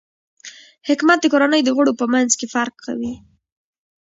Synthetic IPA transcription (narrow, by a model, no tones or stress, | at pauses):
hɪkmat̪̚d̪əkoɾanəjd̪əɣəɽopəmanzkefaɾk̚ka̰wi